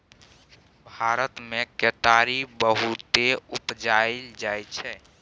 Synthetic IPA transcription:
bʱaɾət̪mekeʈaɾibəɦut̪eupd͡ʒaɪld͡ʒajt͡ʃʰɛ

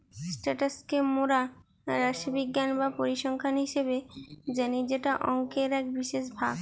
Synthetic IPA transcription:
sʈaʈaskemoɾa | ɾaʃobiɡːanbapoɾiʃɔŋkʰanɦiʃeβed͡ʑanid͡ʑeʈaʔɔŋkeɾɛkbiʃeʃbʱab

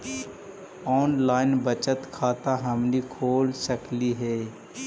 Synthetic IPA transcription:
ɔːnlaːɪnbət͡ʃət̪kʰaːt̪aɦɐmnikʰoːlsəkliɦɛː

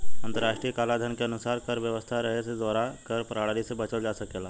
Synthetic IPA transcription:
ənt̪əɾaʃʈɾijəkalad̪ʱənkeənusaɾkəɾʋjəʋəst̪ʰaɾəɦesed̪aɾakəɾpɾaɽɾisebət͡ʃəld͡ʒasəkela

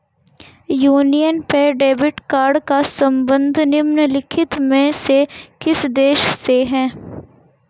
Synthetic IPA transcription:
juːnijənpɛɖeːʋɪʈkaːɾɖkasɐ̃mbə̃nd̪ʱnɪmnəlɪkʰɪt̪mẽsekɪsd̪eːʃseɦɛ̃ː

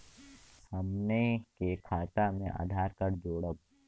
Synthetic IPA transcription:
hɐmnekekʰaːt̪amẽʔa̰ːd̪ʱaːɾkəɾd͡ʒoːɽəb

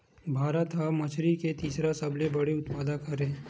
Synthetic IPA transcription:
bʱaːɾət̪ɦamɐt͡ʃʰɾiket̪iːsɾasɐblebɐɽeʊt̪paːd̪akɐɾẽː

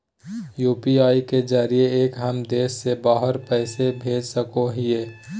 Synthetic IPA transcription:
juːpiaːiked͡ʒaːɾijeeːkɦəmd̪eːʃːebaːɦəɾpɛːsebʱeːd͡ʒsəkoɦieː

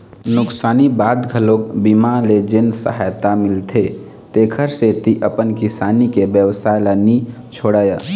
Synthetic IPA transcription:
nʊksaːnibad̪ɡʱəlokbimaled͡ʒensə̰ɦajt̪amɪlt̪ʰe | t̪eːkʰəɾset̪iʔəpənkisaːnikebjəʋəsaləni | t͡ʃʰoɽəjə

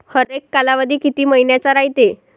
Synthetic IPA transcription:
həɾekːalaʋad̪ʱiːkit̪iːməinjat͡saɾajt̪e

